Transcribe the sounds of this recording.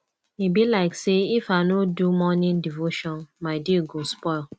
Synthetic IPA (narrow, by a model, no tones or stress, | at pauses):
ibilaɪkseifanodumɔnɪ̃ndivoʃɔ̃nmaɪdiəɡospɔɪl